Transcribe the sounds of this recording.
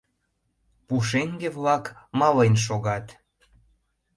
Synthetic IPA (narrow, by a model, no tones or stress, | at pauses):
puʃ̬eŋɡeβlɑkmɑlejnʃ̬oɣɑt̪